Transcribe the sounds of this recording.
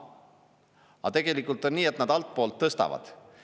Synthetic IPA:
ɑ̰t̪e̞ɡ̥e̞likːˑult̪ˑo̞nniːet̪nɑd̪ɑlt̪̚ˑpo̞ːlt̪ːɤst̪ɑ̰vɑ̰d̪̥

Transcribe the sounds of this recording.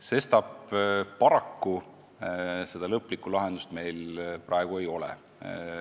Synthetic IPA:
se̞st̪ɑb̥pɑɾɑkːu | se̞d̪̥ɑlɤpːˑlikˑːulɑɦe̞nd̪̥ust̪me̞jlprʔɑeɡ̥ue̞jo̞leɛ̰

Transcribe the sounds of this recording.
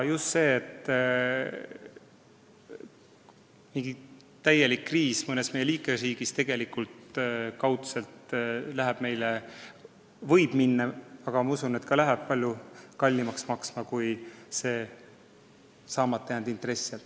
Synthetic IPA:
just̪se̞ːt̪ː | miŋɡ̥i | t̪æje̞likːriːsmɤne̞sme̞jeliːkesriːɡ̥ist̪e̞ɡ̥e̞likult̪kɑwt̪selt̪læɦæb̥me̞jle | vɤ̞jb̥minːɑɑɡ̥ɑmɑusune̞t̪kɑlæɦæb̥̚pɑlʲjukɑlʲːimɑksmɑksmɑkujse̞ː | sɑːmɑt̪ːejænd̪int̪re̞sːelt̪ː

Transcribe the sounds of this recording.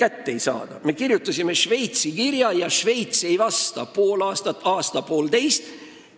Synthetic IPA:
kæt̪ːeejsɑ̰ːd̪̥ɑme̞kirjut̪ːˑɑsime̞ʃve̞jt̪sikirjɑjɑʃve̞jt̪se̞jvɑst̪ɑ̰po̞ːlɑːst̪ɑt̪ːˑɑːst̪ɑpo̞ːld̪e̞jst̪

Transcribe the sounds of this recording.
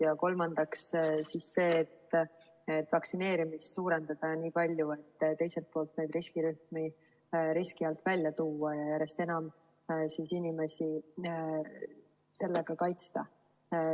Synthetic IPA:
jɑko̞lmɑnd̪̥ɑkssiːsːe̞ːt̪ː | et̪ːˑvɑksine̞ːɾimissuːɾe̞nd̪̥ɑd̪̥ɑniːpɑlʲjue̞t̪ːt̪e̞jse̞lt̪̚po̞ːlt̪ne̞jd̪riskiɾyhmi | ɾiskiɑlt̪vælʲjɑt̪uːɑjɑjæɾe̞st̪e̞nɑm | siːsinʲime̞si | se̞lːeɡ̥ɑkɑjt̪st̪ɑ

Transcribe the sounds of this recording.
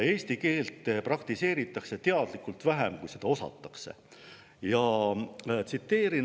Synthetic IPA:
e̞ːsʲt̪ike̞ːlt̪ˑːprɑkt̪ise̞ːɾit̪ːˑɑkse̞t̪e̞ɑd̪̥likːˑult̪væɦæmkujse̞d̪̥ɑo̞sɑ̰t̪ːˑɑ̥kse̞̰ | jɑ | t̪sit̪ːe̞ːɾin

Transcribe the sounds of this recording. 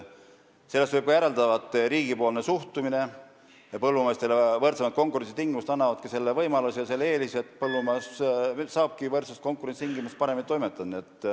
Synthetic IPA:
se̞lːest̪vɤjb̚kɑjæɾeld̪ɑvɑt̪ːˑɾiːɡ̥ipo̞ːlne̞suht̪umine̞ | jɑpɤlːumest̪e̞levɤrt̪semɑt̪̚ko̞ŋkˑuɾensit̪iŋɡimust̪ɑnːɑvɑd̪̥kɑse̞lːevɤjmɑlusijɑse̞lːeːliset̪pɤlːumɑssɑːb̥̚kivɤrt̪sest̪ko̞ŋkuɾesi̥t̪iŋɡimust̪̚pɑɾe̞minit̪o̞jme̞t̪ːˑɑd̪niet̪ˑː

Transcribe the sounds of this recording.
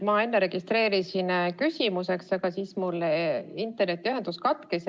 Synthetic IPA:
mɑe̞nːeɾe̞ɡ̥ist̪re̞ːɾisinkysʲimuse̞ksɑɡɑsiːsmulːint̪ːˑernet̪ːˑiyɦe̞nd̪uskɑt̪kes

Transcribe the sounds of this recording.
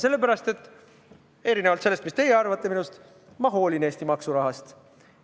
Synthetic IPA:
se̞lːe̞pæɾɑst̪e̞t̪ːˑ | e̞ɾinevɑlt̪se̞lːest̪mist̪e̞jeɑrvɑt̪ːˑe̞minust̪ | mɑɦo̞ːline̞ːst̪imɑksuɾɑɦɑst̪

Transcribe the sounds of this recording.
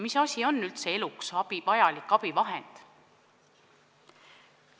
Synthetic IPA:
misɑsʲio̞nːylt̪se̞e̞luksɑpivɑjɑlikːˑɑpivɑɦend̪̥

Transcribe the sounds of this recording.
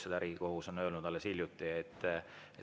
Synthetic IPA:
sed̪̥æɾiko̞huso̞nøːlnud̪ɑlːesilʲjut̪ːˑiet̪ˑː | e

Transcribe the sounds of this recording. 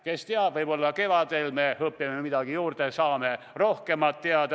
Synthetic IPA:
ke̞st̪eɑbvɤjbo̞lːɑke̞vɑd̪̥e̞lme̞hɤpːˑiɑmemid̪̥ɑɡ̥ijuːɾd̪̥esɑːme̞ | ro̞hke̞mɑt̪ːeɑd̪

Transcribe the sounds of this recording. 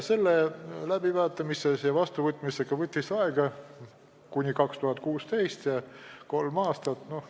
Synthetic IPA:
se̞lːelæb̥ivɑːt̪ːˑɑmisesjɑvɑst̪uvɤt̪ːˑmiseɡɑvɤt̪ʲːˑisɑeɡ̥ɑ | kunʲikɑkst̪uhɑt̪̚ːˑkuːst̪e̞jst̪jɑko̞lmɑːst̪ɑt̪no̞h

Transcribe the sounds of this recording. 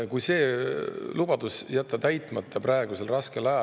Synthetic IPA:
kujse̞ː | lub̥ɑd̪̥usjæt̪ːˑɑt̪æjt̪ˑmɑt̪ʰːɑprɑeɡ̥use̞lrɑske̞lɑjɑ

